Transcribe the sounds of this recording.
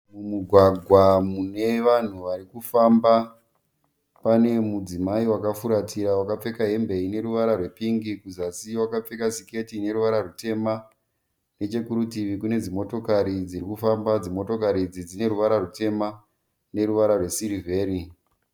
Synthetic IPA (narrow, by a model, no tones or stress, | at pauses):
mumuɡʱwaɡʱwamune̞ʋan̤uʋaɾikufamba | pane̞mud͡zimaiwakafuɾatʰiɾawakap͡fe̞kaɦe̞mbe̞ine̞ɾuʋaɾarwe̞piŋɡikuzasiwakap͡fe̞kasike̞tine̞ɾuʋaɾarute̞ma | ne̞t͡ʃe̞kuɾutiʋikune̞d͡zimo̞to̞kaɾid͡ziɾikufambad͡zimo̞to̞kaɾid͡zid͡zine̞ɾuʋaɾarute̞ma | ne̞ɾuʋaɾarwe̞siɾive̞ːɾi